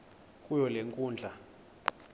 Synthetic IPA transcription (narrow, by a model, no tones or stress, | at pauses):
kʼujɔleŋkʼuːnd͡ɮʱa